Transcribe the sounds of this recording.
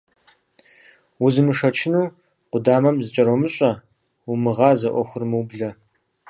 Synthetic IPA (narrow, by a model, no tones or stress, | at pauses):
wuzɨmɨʂɐt͡ʃʰɪnuː | qʷʊdaːmɐmzɨt͡ʃʼɐɾomɨɕʼɐ | umɨʁɑːzɐʔʷɔxʷʊrmɨwbɮɐ